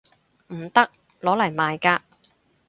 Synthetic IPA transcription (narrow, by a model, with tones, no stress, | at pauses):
m̩˨˩t̪ɐ˥k̚ | lɔː˨˥lɐ˨˩jmaː˨jkaː˧